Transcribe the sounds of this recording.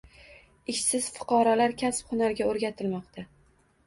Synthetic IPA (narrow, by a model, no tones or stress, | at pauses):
ɪʃsɪz̥fʊ̥qʰɒɾɒlaɾkʲʰasphʊnaɾɡʲaoɾɡʲat̪ʰɪlmɒqt̪ʰa